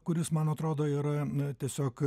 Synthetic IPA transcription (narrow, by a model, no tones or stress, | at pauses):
kʊɾʲɪsmɐnɐt̪ɾoːd̪oːiːɾɐt̪ʲiɛsʲoːk